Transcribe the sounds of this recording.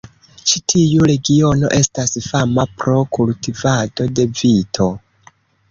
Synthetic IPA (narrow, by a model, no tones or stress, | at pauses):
t͡ʃitʰijuɾe̞ɡio̞no̞̰ʔe̞stasfamapɾo̞kultivado̞de̞vitʰo̞